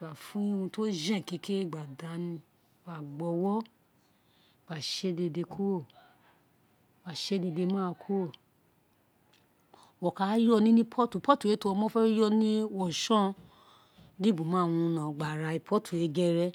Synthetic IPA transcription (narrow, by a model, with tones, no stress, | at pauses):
a˨fũ˨˦ũ˧to˦d͡ʒɛ̃˦˨ki˨˧˦ke˦˨ɡ͡ba˨da˨˦nĩ˧ | wa˨ɡ͡bɔ˧˦wɔ˦˨ | ɡ͡ba˨ʃe˦de˧de˧kʰo˦˨ | ɡ͡ba˨ʃe˦de˧de˧mãː˦˧kʰo˦˨ | wɔ˨ka˨˦jɔ˦˧nĩ˦nĩ˦pʰɔ˦tu˨pɔ˦tu˨e˨˦to˧ɔ˧mɔ̃˦fɛ˦jɔ˦nĩ˦ɔ˦˨ʃɔ̃˦ | li˦bu˨mã˨˦˨wũ˧nã˨ɡ͡ba˨ɾa˧i˧pʰɔ˦tʰu˨e˨˦ɡɛ˦ɾɛ˦